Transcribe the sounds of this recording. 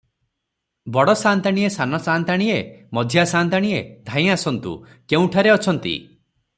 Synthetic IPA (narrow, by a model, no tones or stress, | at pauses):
bɔɽɔsant̪aɽ̃iesanɔsant̪aɽ̃iemɔd̪ʱjasant̪aɽ̃ied̪ʱãĩj̃asɔnt̪ṵ | keũʈʰaɾeɔt͡ʃʰɔnt̪ḭ